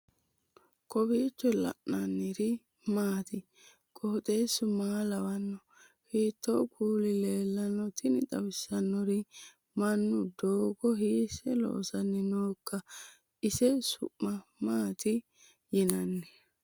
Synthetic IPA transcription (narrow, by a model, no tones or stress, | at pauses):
kʰʼɔbiːt̪ːɔlɐ̰ʔnɐnːɪɾɪ | maːt̪ɪ | kʼɔhɔt̪ʼeːsʊmaːlɐwɐnːɔ | hiːt̪ːɔkʰuːlɪleːlːɐnːɔt̪ʰɪnɪt̪ʼɐbɪsːɐnːɔɾɪ | mɐnːʊd̪oːɡɔhiːsɛlɔ̰ʔːsɐnːɛnoːkːɐ | ɪsɛsʊ̰ʔːɐmaːt̪ɪ | jɪnɐnːɛ